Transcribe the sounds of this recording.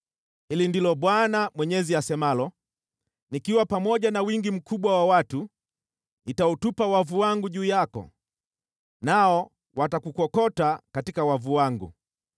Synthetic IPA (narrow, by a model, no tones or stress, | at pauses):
hilindilɔɓwanamwɛɲɛziasɛmalɔ | nikiwapamɔɟanawiŋɡim̩kuɓwawawatu | nitaɔtupawavuwaŋɡuʄuːjakɔ̰ | naɔ | watakukɔkɔtakatikawavuwaŋɡṵ